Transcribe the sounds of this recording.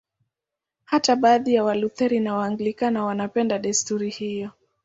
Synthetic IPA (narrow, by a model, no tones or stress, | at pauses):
hataɓaːðijawaluθɛɾinawaːŋɡlikanawanapɛndaɗɛstuɾihijɔ